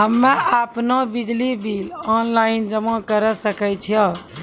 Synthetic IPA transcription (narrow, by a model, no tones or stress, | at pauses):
ɦəmːeapnobid͡ʒlibilɔnlaind͡ʒəmɔ̃kəɾəsəkɛt͡ʃʰijɔ